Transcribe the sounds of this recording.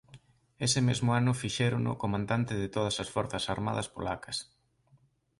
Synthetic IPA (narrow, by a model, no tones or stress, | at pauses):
esɪmezmʊanʊfiʃɛɾʊnʊ̰komãnd̪ant̪ɪðɪt̪oð̞ɐsɐsfɔɾθɐsaɾma̰ðɐspo̰lakɐ̥s